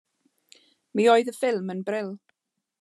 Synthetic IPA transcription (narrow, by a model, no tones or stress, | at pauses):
miːoːɨðəfɪlˠmənbrɪlˠ